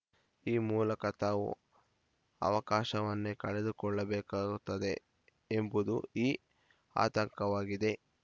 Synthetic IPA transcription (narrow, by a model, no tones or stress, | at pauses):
iːmuːlɐkɐt̪aːʋṵ | ɐ̰ʋɐkaːʃɐʋɐnːekɐɭed̪ukɔɭːɐbɛːkaːɡut̪ːɐd̪e̞ | embud̪uiː | a̰ːt̪ɐŋkɐʋaːɡid̪e̞